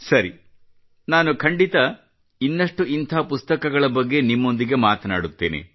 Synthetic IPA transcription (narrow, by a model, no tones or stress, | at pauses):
sɐɾi | naːnukʰɐɳɖit̪ɐ | inːɐʂʈuint̪ʰaːpust̪ɐkɐɡɐɭɐbɐɡːe̞nimːo̞nd̪iɡe̞maːt̪ɐnaːɽut̪ːe̞̰ːnḛ